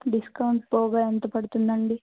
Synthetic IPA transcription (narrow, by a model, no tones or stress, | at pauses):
ɖiskɐwuɳʈpɔːɡaːent̪ɐpɐɽut̪und̪ɐɳɖi